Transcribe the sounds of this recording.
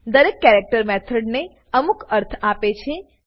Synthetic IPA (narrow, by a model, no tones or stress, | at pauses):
d̪əɾekːɛɾek̚ʈəɾmɛt̪ʰəɖne | əmukəɾt̪ʰapet͡ʃʰe